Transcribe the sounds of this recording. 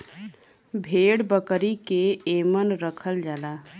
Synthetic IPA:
bʱeːɽbəkəɾikeemənɾəkʰəld͡ʒaːla

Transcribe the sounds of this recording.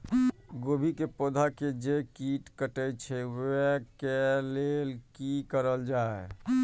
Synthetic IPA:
ɡobʱikepod̪ʱaked͡ʒekiʈkəʈəjt͡ʃʰɛwkelelkikəɾəld͡ʒae

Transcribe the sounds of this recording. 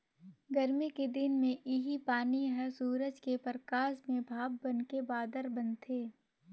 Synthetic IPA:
ɡəɾmiked̪ɪnmẽʔɪɦipaːniɦəsuːɾəd͡ʒkepəɾkaːsmẽbʱaːbːɐnkebaːd̪əɾbɐnt̪ʰeː

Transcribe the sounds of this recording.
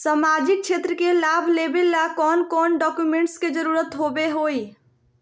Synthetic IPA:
səmad͡ʒik̚t͡ʃʰet̪ɾəkelabʱlebelakɔnkɔnɖɔkjumeɳʈsked͡ʒəɾuɾət̪ɦobeɦoj

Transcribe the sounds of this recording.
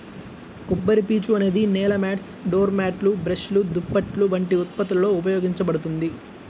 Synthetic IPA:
kubːɐɾipiːt͡ʃuɐne̞ːd̪inɛːlɐmaːʈsɖoːɾmaːʈlubɾeʃlud̪upːɐʈluʋɐɳʈiut̪̚pɐt̪ːɐlɐlo̞ːup̬ɐjo̞ːɡiɲt͡ʃɐbɐɽut̪und̪i

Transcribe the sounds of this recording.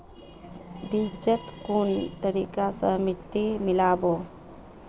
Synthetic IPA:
bid͡ʒət̪kunt̪əɾḭkasəmiʈ̪ːimɪlaːbo

